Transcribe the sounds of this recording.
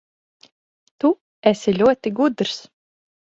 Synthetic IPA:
t̪u | esilʲuɔt̪iɡud̪ɾs

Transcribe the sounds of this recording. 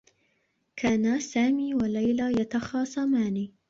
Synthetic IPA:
kʰaːnasaːmiːwalajlajat̪ɑxɑːsˤɑmaːniː

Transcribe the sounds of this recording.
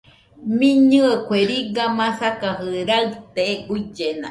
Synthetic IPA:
mĩɲɨekʷeɾiɡamãsakaɦɨɾalt̪eɡuid͡ʒenã̰

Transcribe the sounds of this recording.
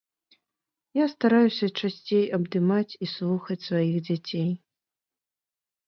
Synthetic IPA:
jast̪aɾajusʲɐt͡ʂasʲt͡sʲejɐbd̪ɨmat͡sʲislˠuxɐt͡sʲsvajiɣd͡zʲat͡sʲej

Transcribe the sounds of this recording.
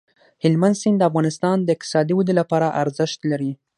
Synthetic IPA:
hɪlmand̪sɪnd̪d̪əafɣɑnɪst̪ɑnd̪əɪq̚t̪ɪ̥sɑd̪iwud̪ilapɑɾaʔaɾzəʃt̪laɾi

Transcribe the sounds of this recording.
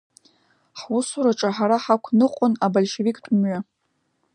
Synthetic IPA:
ħwʊsuɾaʈ͡ʂʼaħaɾaħakʷʰnɨqʷʼʊnabalʲʃevikʼtʼmɥa

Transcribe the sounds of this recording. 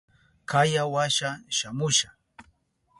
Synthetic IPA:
kajawaʃaʃamʊʃa

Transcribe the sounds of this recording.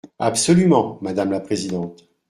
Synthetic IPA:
apsɔlymɑ̃mad̪amlapχezid̪ɑ̃t̪

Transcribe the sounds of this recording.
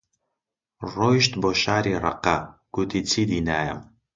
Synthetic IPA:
rojʒtʰboʃaɾira̰qaɡ̥ʊtʰit͡sʰidinaːja̰m

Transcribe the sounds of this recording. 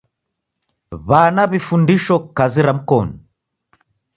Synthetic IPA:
βanaβifundiʃɔkaziɾam̩kɔnɔ

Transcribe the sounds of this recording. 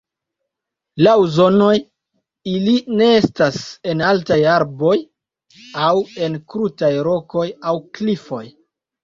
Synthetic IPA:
lawzo̞no̞j | iline̞e̞stase̞naltajaɾbo̞j | awe̞nkɾutajɾo̞ko̞jawklifo̞j

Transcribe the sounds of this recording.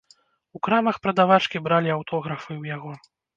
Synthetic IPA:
ukɾamɐxpɾɐd̪avat͡ʂkʲibɾalʲiawt̪ʰɔɣɾɐfɨwjaɣɔ

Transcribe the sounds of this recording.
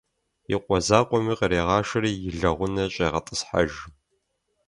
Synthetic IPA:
jɪqʷʼɔzaːqʷɔmiːqəɾeːʁɑːʃɪɾiːjɪɮɐʁʷʊnɐɕʼeːʁɐtʼəsħa̰ʒ

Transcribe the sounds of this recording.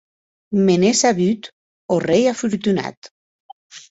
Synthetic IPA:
menesaβyt̪ | orejafuɾt̪una̰t̪

